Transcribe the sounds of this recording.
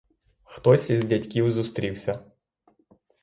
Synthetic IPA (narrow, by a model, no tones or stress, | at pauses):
xt̪ɔsʲizʲdʲɐtʲkʲiwzʊst̪ɾʲiwsʲɐ